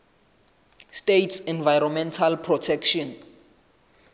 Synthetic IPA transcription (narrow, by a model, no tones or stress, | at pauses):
stetʰsɛnvajɾɔmɛntʰalpʰrɔtʰɛkʃɔn